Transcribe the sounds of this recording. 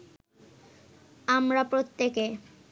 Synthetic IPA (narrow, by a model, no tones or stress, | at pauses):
amɾapɾot̪ːeke